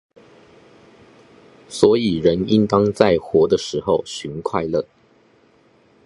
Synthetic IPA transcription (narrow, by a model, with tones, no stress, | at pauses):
swɔ˧˥i˨˩ɻə˧˦ni˦˥nt̪ɑ˥ŋt͡sa˥˩ɪxwɔ˧˥d̪ə˨ʂɻ̩˧˥xo˥˨ʊɕy˧˦nkʰwa˥˧ɪlə˥˩